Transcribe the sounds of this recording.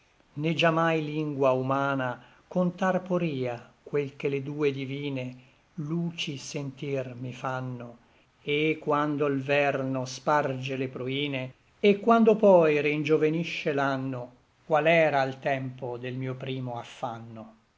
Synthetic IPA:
ned͡ʒamːajliŋɡwaumaːna | kont̪arpoɾiːakwelkeled̪uːed̪iviːne | luːt͡ʃisent̪irmifanːo | ekːwand̪oilvɛrnospard͡ʒelepɾuiːneː | kːwand̪opɔjɾend͡ʒoveniʃːelanːo | kwalɛːɾailt̪ɛmpod̪elmiːopɾiːmoafːanːo

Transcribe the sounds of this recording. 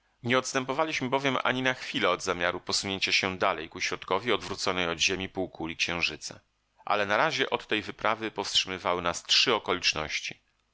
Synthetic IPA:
ɲɛɔt̪st̪ɛmpɔvalʲiɕmɘbɔvʲjɛmʔa̰ɲinaxfʲilɛɔd̪zamʲjaɾupɔsuɲeɲt͡ɕaɕɛd̪alɛjkuɕɾɔt̪kɔvʲjiɔd̪vɾut̪sɔnɛjɔd̪ʑemʲipuwkʰulʲikɕɛ̃w̃ʐɘt̪sa̰ | ʔa̰lɛnaɾaʑɛʔɔt̪ːɛjvɘpɾavɘpɔfstʂɘmɘvawɘnastʂɘɔkɔlʲit͡ʂnɔ̰ɕt͡ɕi

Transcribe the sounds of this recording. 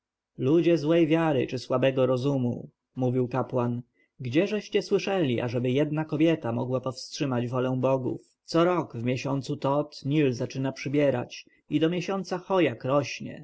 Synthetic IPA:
lud͡ʑɛzwɛjvʲjaɾɘ̰t͡ʂɘswabɛɡɔɾɔzumṵ | muvʲiwkapwan | ɡd͡ʑɛʐɛɕt͡ɕɛswɘʂɛlʲiʔa̰ʐɛbɘjɛd̪nakɔbʲjɛt̪amɔ̰ɡwapɔfstʂɘmad͡ʑvɔlɛ̃bɔɡṵf | t̪sɔɾɔɡvmʲjɛɕɔnt̪sut̪ɔt̪ɲilzat͡ʂɘnapʂɘbʲjɛɾa̰t͡ɕ | id̪ɔmʲjɛɕɔnt̪saxɔjakɾɔɕɲɛ̰

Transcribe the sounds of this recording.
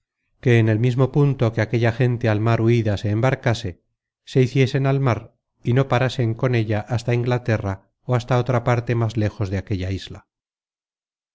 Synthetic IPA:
ke̞ːne̞lmizmo̞punt̪o̞ke̞ake̞ʎaxe̞nt̪e̞almaɾuiðase̞ːmbaɾkase̞ | se̞iθje̞se̞nalmaɾ | ino̞paɾase̞ŋko̞ne̞ʎaʔast̪aiŋɡlat̪e̞ra | oast̪ao̞t̪ɾapaɾt̪e̞mazle̞xo̞zðeake̞ʎaizla

